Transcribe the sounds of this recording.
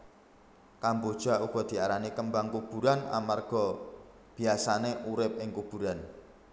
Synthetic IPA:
kambod̥ʒ̥a̤uɡ̥ɔ̤d̪̥i̤aɾanikəmbaŋkub̥ṳɾana̰marɡ̥ɔ̤ | b̥i̤asaneʔuɾɪp̚ɪŋkub̥ṳɾan

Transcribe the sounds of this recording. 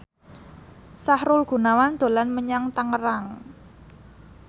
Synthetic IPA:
sahɾʊlɡ̥ṳnawand̪̥o̤lanməɲaŋt̪aŋəɾaŋ

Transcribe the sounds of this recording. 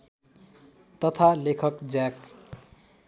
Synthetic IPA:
t̪ʌt̪ʰalekʰʌkd͡zak

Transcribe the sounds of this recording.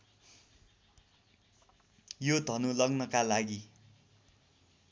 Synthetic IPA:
jod̪ʱʌnulʌɡnʌkalaɡi

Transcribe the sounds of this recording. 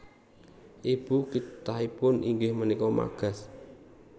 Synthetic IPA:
ʔib̥ukit̪aɦipʊniŋɡɪhmənikɔma̰ɡ̥a̤s

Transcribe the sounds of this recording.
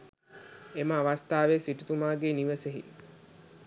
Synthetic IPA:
eməaʋast̪aːʋesiʈut̪umaːɡeniʋəseɦḭ

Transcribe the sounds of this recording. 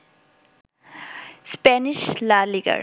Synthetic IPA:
spɛniʃlaliɡə̰ɾ

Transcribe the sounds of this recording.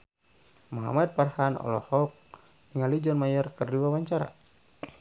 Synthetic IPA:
muɦa̰mad̪̚parhanɔ̰lɔ̰hɔk̚ | iŋalid͡ʒɔnmajərkɨrdiwawaɲt͡ʃaɾa̰

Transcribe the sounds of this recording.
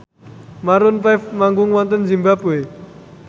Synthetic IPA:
maɾʊnpajfmaŋɡʊŋwɔnt̪ənd͡ʒimbapue

